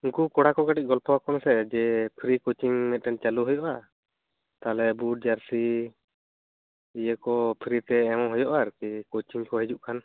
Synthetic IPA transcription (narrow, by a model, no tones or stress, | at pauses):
uŋkukɔɽakɔɡaʈic̚ɡɔlpɔwakɔnsɛd͡ʒɛpʰɾikot͡ʃiŋmɛt̪̚ˀɾɛnt͡ʃaluɦɔjɔʔa | t̪alɛbuɖ̚d͡ʒaɾsi | ijəkɔpʰɾit̪ɛːmɔ̃ɦɔjɔʔaɾkikot͡ʃiŋkɔɦɛd͡ʒuʔkʰan